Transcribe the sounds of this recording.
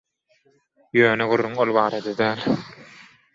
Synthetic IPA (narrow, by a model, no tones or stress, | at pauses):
jøːneɡuɾːuŋolˠβɑːɾɑd̪ɑd̪æːlʲ